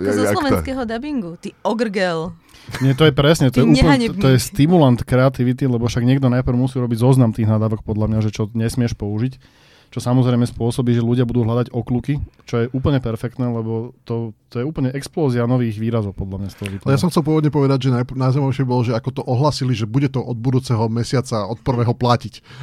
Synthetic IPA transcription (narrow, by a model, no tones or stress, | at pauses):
zɔslɔʋɛnskɛːɦɔd̪abiŋɡut̪iːɔɡrɡɛl | ɲɪɛt̪ɔjɛpɾɛsɲɛt̪ɔɔjɛuːlɔjɛst̪imulant̪kɾɛat̪iʋit̪ilɛbɔfʃaɡɲɪɛɡd̪ɔnajpɾ̩ʊmusiːɾɔbiɟzɔznamt̪iːɣnad̪aːʋɔkpɔd̪lamɲaʒɛt͡ʃɔɲɛsmɪɛʃpɔuʒic | t͡ʃɔsamɔzɾɛɪmɛspʊɔsɔbiːʒɛluɟɪabud̪uːɦlʎad̪aɟɔklukit͡ʃɔjɛʔuːpl̩ɲɛpɛɾfɛkt̪nɛːlɛbɔt̪ɔt̪ɔjɛuːpl̩ɲɛʔɛksplɔːzianɔʋiːɣʋiːɾazɔʊpɔd̪lamɲast̪ɔɦɔʋipɛjasɔmxkt͡sɛlˠp̬ʊɔʋɔd̪ɲɛpɔʋɛd̪aɟʒɛnanajzajmaʋɛʃɪɛbibɔlɔʒɛakɔt̪ɔʔɔɦlaːsiliʒɛbuɟɛt̪ɔʔɔd̪̚bud̪uːt͡sɛɦɔmɛsɪat͡saɔt̪̚pr̩ʋɛːɦɔplacic